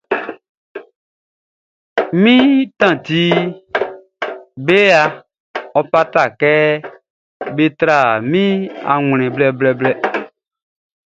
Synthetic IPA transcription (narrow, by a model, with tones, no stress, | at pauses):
mĩ˦tã˦˨ti˦ | be˦a˧ | ɔ˧pa˦ta˨kɛ˦ | be˦t̪ɾa˦˨mĩ˦a̰˨ŋ˨l̃ɛ̃˨blɛ˦blɛ˦˨blɛ˦